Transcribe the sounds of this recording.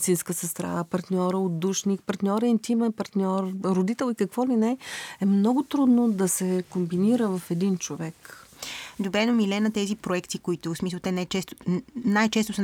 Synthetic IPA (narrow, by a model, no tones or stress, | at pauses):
t̪sinskəsəst̪ɾa̰əpɐɾt̪nʲɔɾəod̪uʃnikpɐɾt̪nʲɔɾint̪imɛnpɐɾt̪nʲɔɾɾod̪it̪ɛlˠikɐkvɔlinɛɛmnɔɡʊt̪ɾud̪nod̪ɐsɛkombiniɾəvɐfɛd̪int͡ʃovɛk | d̪obɾɛnomilɛnɐt̪ɛzipɾoɛkt̪ikoit̪ʊsmislˠt̪ɛnat͡ʃɛst̪najt͡ʃɛst̪ʊsə